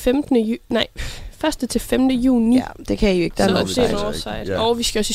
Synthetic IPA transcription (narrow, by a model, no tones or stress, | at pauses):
femd̥nənɑ̈ɪ̰fɶɐsd̥ət͡sʰe̝lfemd̥əjṵːnid̥e̝kʰæijoe̝ɡ̥əd̥ænɔsḛːnɒsɑ̈ɪ̰d̥ɒʊʋisɡ̥æɒ̽si